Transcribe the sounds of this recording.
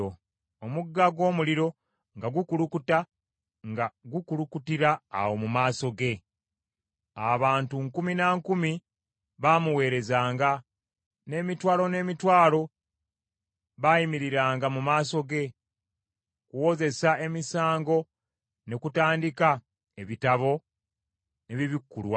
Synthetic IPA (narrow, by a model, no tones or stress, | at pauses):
omuɡːaɡwo̞ːmuliɾo̞ | ŋɡaɡukulukuta | ŋɡaɡukulukutiɾa̰ːwo̞mumaːso̞ɡe̞ | aβaːntuŋkuminaŋkumi | βamuwe̞ːɾe̞zaːŋɡa | ne̞ːmitwaːlo̞ne̞ːmitwaːlo̞ | βajimiɾiɾaːŋɡamumaːso̞ɡe̞ | kuwo̞ze̞sae̞misaːŋɡo̞ | ne̞kutaːndika | e̞βitaβo̞ | ne̞βiβikːulwa